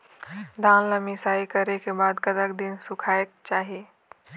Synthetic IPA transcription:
d̪aːnləmisaːikəɾekebad̪kət̪əkd̪insukʰaek̚t͡ʃaːɦi

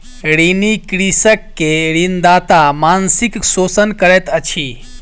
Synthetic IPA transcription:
ɾinikɾisəkːeɾind̪at̪amansiksoːsənkəɾɛt̪ət͡ʃʰi

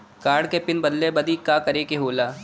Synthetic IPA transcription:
kaːɾɽkepɪnbɐd̪lebɐd̪ikaːkɐɾeːkeɦoːlaː

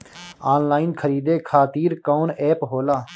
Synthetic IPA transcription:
aːnlaːɪnkʰəɾiːd̪eːkʰaːt̪iːɾkoːnɛːpɦoːlaː

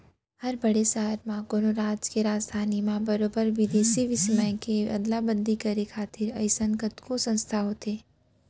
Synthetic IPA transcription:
hɐɾbɐɽesaɦəɾmãɡonoɾaːd͡ʒkeɾaːd͡ʒd̪ʱaːnimãbɐɾoːbəɾʋɪd̪eːsiʋɪsmə̃ɪkeɐ̰d̪labə̃nd̪ʱikɐɾekʰaːt̪ɪɾɐ̰ɪsə̃ŋkət̪kosɐ̃nst̪ʰaɦoːt̪eː

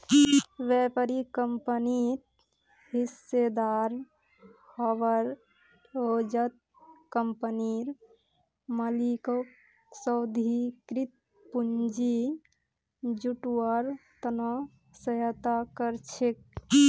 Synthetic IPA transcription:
ʋɛpəɾikəmpənit̪ | ɦised̪aɾ | həʋəɾ | ɦod͡ʒət̪̚ | kəmpəniɾ | məliko | səwd̪ʱikɾit̪̚ | pund͡ʒi | d͡ʒuʈwaɾt̪ənɔ | səjət̪akəɾt͡ʃʰek̚

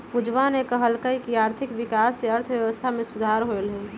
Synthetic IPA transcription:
pud͡ʒʋanekəɦəlkəikiaːɾt̪ʰɪkʋɪkaːsːeɐɾt̪ʰʋjəʋəst̪ʰamẽsʊd̪ʱaɾɦoelɦɛː

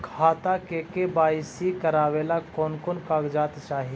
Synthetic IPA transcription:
kʰaːt̪akekebaːɪsikəɾaːʋeːlakɔːnkonkaːɡd͡ʒaːt̪t͡ʃaːɦi

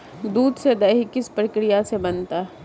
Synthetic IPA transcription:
d̪uːd̪sed̪ɐɦikɪspɾəkɾɪjasebɐnt̪aː

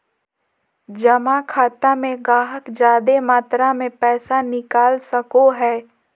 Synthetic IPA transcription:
d͡ʒɐmãkʰaːt̪amẽɡaːɦəkd͡ʒaːd̪emaːt̪ɾamẽpɛːsanɪkaːlsəkoɦɛː

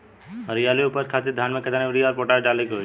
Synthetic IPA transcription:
əɾijaːliupəɾkʰaːt̪iɾd̪ʱjaːnmẽkɐt̪aniuɾijɔːɾpɔʈaɾɖaːleko

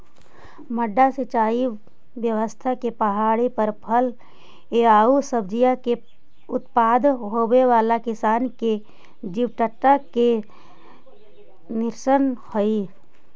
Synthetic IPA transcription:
məɖːaset͡ʃaːi | ʋjəʋəst̪ʰakepɐɦaːɽepəɾpʰəl | eaːusəbd͡ʒijake | ʊt̪paːd̪ɦoːbeʋaːlakɪsaːnke | d͡ʒiʋʈəʈːake | nɪɾsənhoi

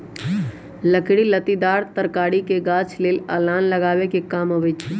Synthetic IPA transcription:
ləkɽilət̪id̪aːɾt̪əɾkaːɽikeɡaːt͡ʃʰleːlə̰ːlaːnləɡaːʋekekaːmɦoʋɛt͡ʃʰi

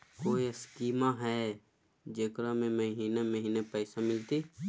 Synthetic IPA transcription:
koːiəskiːmaɦɛː | d͡ʒeːkɾãmẽməɦiːneməɦiːnepɛːsamɪlt̪iː

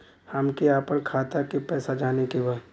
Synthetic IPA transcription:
hɐmkiaːpənkʰaːt̪akipɛːsad͡ʒaːnekebaː

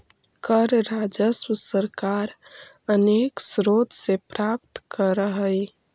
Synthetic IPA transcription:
kəɾɾaːd͡ʒəsməsəɾkaːɾ | əneːksɾoːt̪sepɾap̚t̪kəɾəɦəi

